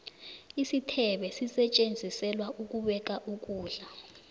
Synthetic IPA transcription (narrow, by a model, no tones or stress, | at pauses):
isitʰɛɓɛsisɛt͡ʃʼend͡zʱisɛlwaʔuk̬ʼuɓɛk̬ʼaʔuk̬ʼuːɮa